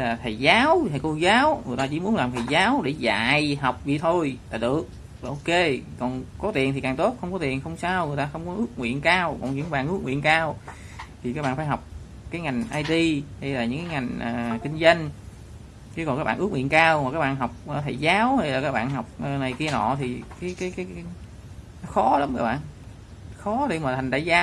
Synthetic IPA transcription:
hjlaː˨˩t̪ʰə˨˩jzaː˨˦wt̪aə˨˩ko˧zaː˨˦wŋɨ˨˩ət̪aː˧t͡ɕḭ˧˥mu˨˦nlaː˨˩mt̪ʰə˨˩jzaː˨˦wɗe˧˩za̰ː˧˨jɦa˨˩wk͡p̚vḭ˧˨t̪ʰo˧jt̪a̰ː˧˨jɗɨ˨˩ək̚ | ʔo˧ke˧kɔ˨˩nkɔ˨˦t̪i˨˩ənt̪i˨˩kaː˨˩ŋt̪o˦˥t̚xə˧wŋ͡mkɔ˨˦t̪i˨˩ənxə˧wŋ͡msaː˧wŋɨ˨˩əjt̪aː˧xə˧wŋ͡mkɔ˨˦ʔɨ˦˥ək̚ŋwḭ˧˨ənkaː˧wkɔ̰˨˩nɲɨ̰˧˥ŋ˦ɓa̰ː˧˨nʔɨ˦˥k̚ŋwḭ˧˨nkaː˧w | t̪ʰi˨˩kaː˦˥k̚ɓ̰aː˧˨˩faː˧˩jɦɔ˨˩wk͡p̚ | kaː˨˦jŋa˨˩jŋ̟ʔaː˧jt̪i˧hə˧jlaː˨˩ɲɨ̰˧˥ŋkaː˨˦ŋa˨˩jŋ̟ʔəː˨˩kï˧ŋ̟zə˧ŋ | t͡ɕɨ˧kɔ˨˩nkaː˦˥ɓa̰ː˧˨ʔɨ˦˥k̚wi˧˨ənkaː˧wma˨˩kaː˦k̚ɓa̰ː˧˨nɦɔ˨˩wk͡p̚ʔə˨˩t̪ʰə˧˨˩jzaː˨˦whə˧jlaː˨˩kaː˦˥k̚ɓa̰ː˧˨nhɔ˨˩wk͡p̚ʔəː˨˩na˨˩jki˧ənɔ̰˧˨t̪ʰi˨˩kaː˨˦jkaː˨˦jkaː˨˦j | nɔ˨˦xɔ˨˦la˨˦mkaː˦˥k̚ɓa̰ː˧˨n | xɔ˨˦t̪i˨˧˩maː˨˩t̪ʰa˨˩ŋt̪a̰ː˧˨˩zaː˧

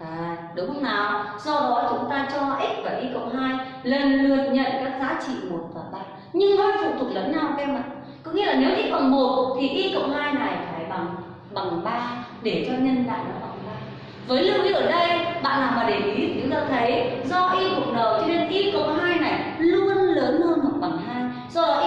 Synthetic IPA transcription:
ʔaː˨˩ɗʊ˨˦ŋ͡mhə˧wŋ͡mnaː˨˩wz̥ɔ˧ɗɔ˨˦t͡ɕʊ˨˦ŋ͡mt̪aː˧t͡ɕɔ˧ʔi˦˥k̚vaː˨˩ʔi˧kə̰˧˨wŋ͡mɦaː˧j | lə˨˩nlɨ˨˩ət̚ɲə̰˧˨nkaː˨˦˥k̚zaː˨˦t͡ɕḭ˧˨mo˨˩t̚vaː˨˩ɓa̰ː˧˨n | ɲɨ˧ŋɗɔ˧˦˨fṵ˧˨t̪ʰu˨˩ə˩k̚ləː˨˦nɲa˧wkɛ˧mma˨˩t | kɔ˨˦ŋḭ˧əlaː˨˩ne˨˦wʔi˧˥kə̰˧˨wŋ͡mmo˨˩t̚t̪ʰi˨˩ʔi˧kə̰˧˨wŋ͡mɦaː˧jna˨˩jfaː˧˩jɓa˨˩ŋ | ɓa˨˩ŋɓaː˧ɗe˧˩t͡ɕɔ˧ɲə˧nɗa̰ː˧˨ɗɨ˨˩k̚ɓa˨˩ŋɓaː˧ | vəː˨˦jlʊ˧ɗi˧ʔəː˧˩ɗə˧jɓa̰ː˧˨nlaː˨˩maː˨˩ɗe˨˩mʔi˨˦t̪ʰɨ̰˨˦t̪aː˧t̪ʰə˨˦jzɔ˧ʔi˧kʊ˨˩k͡p̚ɗə˨˩wt͡ɕɔ˧ne˧nʔi˧kə̰˧˨wŋ͡mɦaː˧jna˨˩jlu˧ənləː˨˦nhə˧nmo˨˩t̚ɓa˨˩ŋɦaː˧j | zɔ˧˩a˨˩ʔ

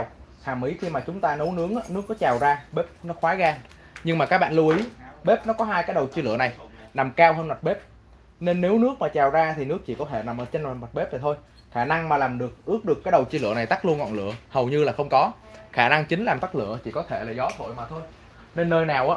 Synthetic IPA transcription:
a˨˩w | haː˨˩mʔi˨˦xi˧maː˨˩t͡ɕʊ˨˦ŋ͡mt̪aː˧nə˨˦wnɨ˨˦əŋʔaː˨˧˦nɨ˦˥əkːɔ˨˦t͡ɕaː˨˩wzaː˧ɓe˦˥p̚nɔ˨˦xwaː˨˦ɣaː˧ | ɲɨ˧ŋmaː˨˩kːaː˦˥k̚ɓa̰ː˧˨nlu˧əʔi˨˦ɓe˦˥p̚nɔ˨˦kɔ˨˦ɦaː˧jkaː˨˦jɗə˨˩wt͡ɕi˧lɨ̰˧˨əna˨˩jna˨˩mkaː˧whəː˧nmwa˨˩t̚ɓe˦˥p̚ | ne˧nːe˨˦wnɨ˦˥ək̚maː˨˩t͡ɕaː˨˩wzaː˧t̪ʰi˨˩nɨ˦˥ək̚t͡ɕḭ˧˨kɔ˨˦t̪ʰe˧˩na˨˩mʔəː˧˩t͡ɕe˧na˨˩ma˨˩t̚ɓe˦˥p̚aː˨˩t̪ʰo˧j | xaː˧˩na˧ŋmaː˨˩laː˨˩mɗɨ˨˩ək̚ʔɨ˦˥ək̚ɗɨ˨˩əkːaː˨˦jɗə˨˩wt͡ɕi˧lɨ̰˧˨əna˨˩jt̪a˦˥k̚lu˧ənŋɔ̰˧˨nlɨ̰˧˨əhə˨˩wɲɨ˧laː˨˩xə˧wŋ͡mkɔ˨˦ | xaː˧˩na˧ŋt͡ɕï˨˦ŋ̟laː˨˩mt̪a˦˥k̚lɨ̰˧˨ət͡ɕḭ˧˩kɔ˨˦t̪ʰe˧˩laː˨˩zɔ˨˦t̪ʰo̰˧˨jmaː˨˩t̪ʰo˧j | ne˧nːəː˧jnaː˨˩wʔaː˨˦

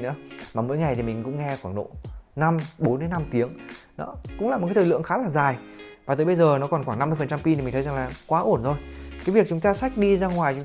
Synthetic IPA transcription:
nɨ̰˧˥əmaː˨˩mo̰˧˥jŋa˨˩jt̪i˨˩mï˨˩ŋ̟kʊ̰˧˥ŋ͡mŋɛ˧xwaː˧˩ŋno̰˧˨na˧mɓo˨˦nɗe˨˦na˧mt̪i˨˦əŋnɔ̰˨˦kʊ̰˧˥ŋ͡mlaː˨˩m̚˨˩aː˨˦t̪ʰəː˨˩lɨ̰˧˨əŋxaː˨˦laː˨˩zaː˨˩jvaː˨˩t̪əː˨˦jɓə˧jzəː˨˩nɔ˨˦kɔ˨˧˩nxwaː˧˩ŋna˧mːɨ˧əfə˨˩nt͡ɕa˧mpi˧i˨mi̟˨˩tʰə˨˦za˨˩ŋlaː˨˩kwaː˨˦ʔo˧˩ənzo˧jkaː˨˦vi˨˩ək̚t͡ɕʊ˨˦ŋ͡mt̪aː˧sa˦˥jk̟̚ɗi˧zaː˧ŋwaː˨˩jt͡ɕʊ˨˦

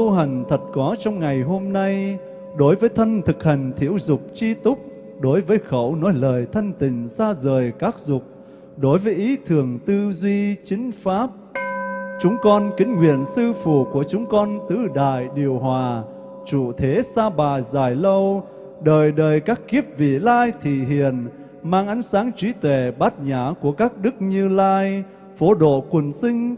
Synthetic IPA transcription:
t̪u˧ɦa˨˩ŋ̟t̪ʰə˨˩t̚kɔ˨˦t͡ɕɔ˧wŋ͡mŋa˨˩jɦo˧mna˧j | ɗo˨˦jvəː˨˦jt̪ʰə˧nt̪ʰɨ˨˩k̚ha˨˩ŋ̟t̪ʰḭ˧˥əwzʊ˨˩k͡p̚t͡ɕi˧t̪ʊ˦˥k͡p̚ | ɗo˨˦jvəː˨˦jxə̰˧˩wnɔ˨˦jləː˨˩jt̪ʰa˧jŋ̟t̪ï˨˩ŋ̟saː˧zəː˨˩jkaː˦˥k̚zʊ˨˩k͡p̚ | ɗo˨˦jvəː˨˦jʔi˨˦t̪ʰɨ˨˩əŋt̪ɨ˧zwi˧t͡ɕï˨˦ŋ̟faː˦˥p̚ | t͡ɕʊ˨˦ŋ͡mkɔ˧nkï˨˦ŋ̟ŋwḭ˧˨ənsɨ˧fṵ˧˩˨ku˧˩ət͡ɕʊ˨˦ŋ͡mkɔ˧nt̪ɨ˧ɗa̰ː˧˨jɗi˨˩əwɦwaː˨˩ | t͡ɕṵ˧˨t̪ʰe˨˦saː˧ɓaː˨˩jzaː˨˩jlə˧w | ɗəː˨˩jɗəː˨˩jkaː˦˥kːi˦˥əp̚vḭ˧˨laː˧jt̪ʰḭ˧˨ɦḭ˧˨ən | maː˧ŋʔa˨˦jŋ̟saː˨˦ŋt͡ɕwi˨˦t̪we˧˩ɓaː˦˥t̚ɲaː˧˩ku˧˩əkaː˦˥k̚ɗɨ˦˥k̚ɲɨ˧laː˧j | fo˨˦ɗo̰˧˨kwə˨˩nsï˧ŋ̟

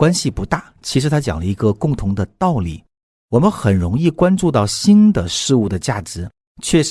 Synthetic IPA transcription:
kwa˥nɕi˨pu˧˥t̪a˥˩t͡ɕʰi˧˥ʂɻ̩˧˥t̪ʰa˥t͡ɕjɑ˨˩ŋlə˦i˧˥ɡə˧kʊ˥˩ŋt̪ʰʊ˧˥ŋd̪ə˧t̪ɑ˥˩ʊlḭ˨˩˦ | wɔ˨˩mə˦nxə˨˩nɻʊ˧˥ŋi˥˩kwa˥nʈ͡ʂu˥˧t̪ɑ˥˩ʊɕi˥nd̪ə˨ʂɻ̩˥˧u˥˩d̪ə˩t͡ɕja˥˩ʈ͡ʂɻ̩˧˥ | t͡ɕʰɥɛ˥˩ʂ

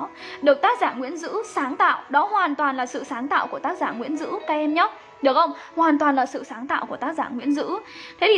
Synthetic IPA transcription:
ɗɨ˨˩ək̚t̪aː˦˥k̚zaː˧˩ŋwḭ˧˥ənzɨ̰˧˥saː˨˦ŋt̪a̰ː˧˨wɗɔ˨˦ɦwaː˨˩nt̪waː˨˩nlaː˨˩sɨ̰˧˨saː˨˦ŋt̪a̰ː˧˨wku˧˩ət̪aː˦˥k̚zaː˧˩ŋwḭ˧˥ənzɨ̰˧˥kaː˧ʔɛ˧mɲɔ˦˥t̚ | ɗɨ˨˩ək̚xə˧wŋ͡mhwaː˨˩nt̪̬waː˨˩nlaː˨˩sɨ̰˧˨saː˨˦ŋt̪a̰ː˧˨wku˧˩ət̪aː˦˥k̚zaː˧˩ŋwḭ˧˥ənzɨ̰˧˥t̪ʰe˨˦i˨˩

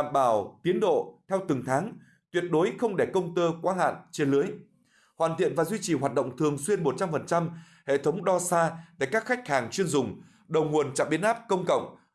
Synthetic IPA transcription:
aː˧˨mɓaː˧˩wt̪i˨˦ənɗo̰˧˨t̪ʰɛ˧wt̪ɨ˨˩ŋt̪ʰaː˨˦ŋ | t̪wi˨˩ət̚ɗo˨˦jxə˧wŋ͡mɗe˧˩kə˧wŋ͡mt̪əː˧kwaː˨˦ɦa̰ː˧˨nt͡ɕe˧nlɨ˨˦əj | hwa̰ː˧˨nt̪ʰḭ˧˨ənvaː˨˩zwi˧t͡ɕi˨˩hwaː˨˩t̚ɗə̰˧˨wŋ͡mt̪ʰɨ˨˩əŋswi˧ənmo˨˩t̚t͡ɕa˧mfə˨˩nt͡ɕa˧m | hḛ˧˨t̪ʰə˨˦wŋ͡mɗɔ˧saː˧t̪a̰˧˩kaː˦˥k̚xa˦˥jk̟̚haː˨˩ŋt͡ɕwi˧ənzʊ˨˩ŋ͡m | ɗə˨˩wŋu˨˩ənt͡ɕa̰˧˨mɓi˨˦ənʔaː˦˥p̚kə˧wŋ͡mkə̰˧˨wŋ͡m

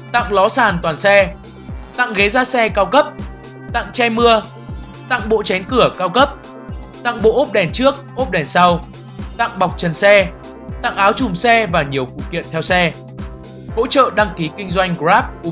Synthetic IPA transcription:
t̪a̰˧˨ŋlɔ˨˦saː˨˩nt̪waː˨˩nsɛ˧ | t̪a̰˧˨ŋɣe˨˦zaː˧sɛ˧kaː˧wkə˦˥p̚ | t̪a̰˧˨ŋt͡ɕɛ˧jmɨ˧ə | t̪a̰˧˨ŋɓo̰˧˨t͡ɕɛ˨˦nkɨ˧˩əkaː˧wkə˦˥p̚ | t̪a̰˧˨ŋɓo̰˧˨ʔo˦˥p̚ɗɛ˨˩nt͡ɕɨ˦˥ək̚ʔo˦˥p̚ɗɛ˨˩nsa˧w | t̪a̰˧˨ŋɓa˨˩wk͡p̚t͡ɕə˨˩nsɛ˧ | t̪a̰˧˨ŋʔaː˨˦wt͡ɕʊ˨˩ŋ͡msɛ˧vaː˨˩ɲi˨˩əwfṵ˧˨kḭ˧˨ənt̪ʰɛ˧wsɛ˧ | ho̰˧˥t͡ɕə̰ː˧˨ɗa˧ŋki˨˦kï˧ŋ̟zwa˧jŋ̟ɣzaː˦˥p̚

